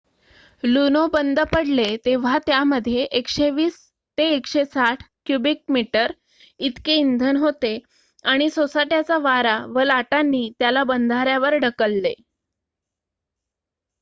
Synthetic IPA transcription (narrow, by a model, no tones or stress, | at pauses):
lunobənd̪ʱəpəɽlet̪eʋ̤at̪jaməd̪ʱjeʔekʂeʋiːs | t̪eːkɕesaʈʰkjubik̚miʈəɾ | it̪keind̪ʱənɦot̪e | aɽ̃isosaʈjat͡saʋaɾaʋəlaʈanːiːt̪jalabənd̪ʱaɾjaʋəɾɖəkəlːe